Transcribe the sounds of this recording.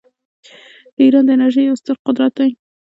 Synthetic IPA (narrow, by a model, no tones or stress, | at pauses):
d̪̥əiɾɑnd̪əɪnaɾʒajʊst̪əɾqʊd̪ɾat̪̚ːaj